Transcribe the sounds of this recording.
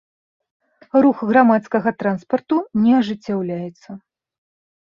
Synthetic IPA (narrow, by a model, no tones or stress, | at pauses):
ruxɣɾamat̪skɐɣɐt̪ɾanspɐrt̪unʲɛɐʐɨt͡sʲːawlʲajɛt̪sːɐ